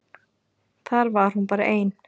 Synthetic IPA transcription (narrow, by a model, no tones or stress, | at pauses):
θaɾvaɾ̥hunpaːɾaʔeːjn